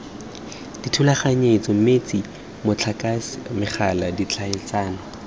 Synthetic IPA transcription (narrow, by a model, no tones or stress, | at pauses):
d̥itʰulaχaɲet͡sɔm̩met͡si | mʊt͡ɬʰakasɪmɪχaladit͡ɬʰaɪt͡saːnɔ